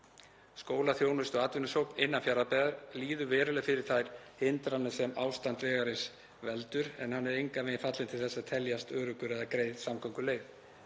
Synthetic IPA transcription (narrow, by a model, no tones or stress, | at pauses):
skoːwlaθjoːwnʏst̪ɔɣat̪vʏnʏsowknɪnːanfjaɾapɛːɣaɾliːðʏvɛːɾʏlɛɣfɪɾɪɾ̥θajɾ̥hɪnt̪ɾanːɪsɛmawst̪ant̪vɛːɣaɾɪs | vɛlt̪ʏɾɛnhanːɛɾejŋkamɛːɪnfat̪lɪnt̪ʰɪlθɛsːaðt̪ʰɛljast̪œːɾʏkʏɾɛðakɾeːjðsamkʰɔŋkʏleːjv